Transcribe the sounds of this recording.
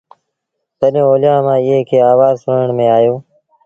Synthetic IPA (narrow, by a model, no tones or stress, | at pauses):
səɗjõːoːljãːmãːɪːɦeːkʰeːaːʋaːzsəɳəɳmẽːaːjoː